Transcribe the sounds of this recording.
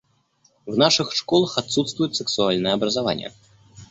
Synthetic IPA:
wnaʂɨxʂkɔlˠɐxat̪sut̪st̪vujut͡sʲsɛksualʲnɨjɛɐbɾɐzavanʲːɛ̰

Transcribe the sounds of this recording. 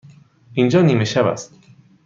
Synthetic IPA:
ʔind͡ʒɒːniːmeʃæbæ̰st̪

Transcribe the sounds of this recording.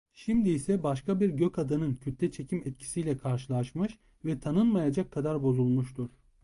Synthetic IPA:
ʃimd̪iːsɛbaʃkabiɾɟøkad̪anɯncʰøt̪lʲɛt͡ʃʰe̞cʰimɛt̪̚cʰi̥sijlʲɛkʰaɾʃɯlˠaʃmɯʃ | vɛt̪ʰanɯnmajad͡ʒakʰːad̪aɾbo̞zulˠmuʃt̪ʰuɾ̥

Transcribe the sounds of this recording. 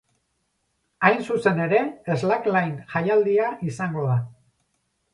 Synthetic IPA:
ajnsuse̞ne̞ɾe̞ːzlaklajnʝajald̪iaʔisaŋɡo̞ða

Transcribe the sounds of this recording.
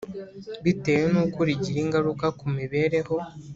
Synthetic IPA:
βite̞wenukuɾiɟiɾiŋɡaɾukakumiβe̞ːɾe̞ho̞

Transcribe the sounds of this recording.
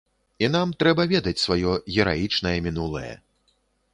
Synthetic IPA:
inamt̪ɾɛbɐvʲɛd̪ɐt͡sʲsvajɔɣʲɛɾajit͡ʂn̪ɐjɛmʲin̪ulˠɐ̰jɐ̰

